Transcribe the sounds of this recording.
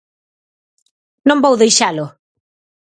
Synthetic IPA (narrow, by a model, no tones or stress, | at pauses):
nõmbowðejʃalʊ